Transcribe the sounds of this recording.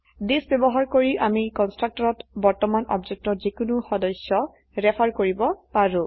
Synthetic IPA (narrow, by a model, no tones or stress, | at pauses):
desbɛbɔɦaɹkoɹiʔamikɔnstɹak̚tɔɹɔtbɔɹtɔmanɔ̰bzek̚tɔzikʊnʊxɔdɔsːɔ | ɹɛpʰaɹkoɹibɔpaɹũ